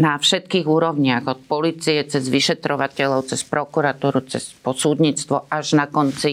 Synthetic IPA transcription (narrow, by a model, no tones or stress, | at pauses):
nafʃɛt̪kiːɣuːɾɔʊɲɪaɣɔt̪̚pɔliːt͡sijɛt͡sɛzʋiʃɛt̪ɾɔʋacɛʎɔʊt͡sɛspɾɔkuɾat̪uːɾut͡sɛ̰spɔsuːd̪ɲiːt͡st̪ʋɔʔaʒnakɔnt͡si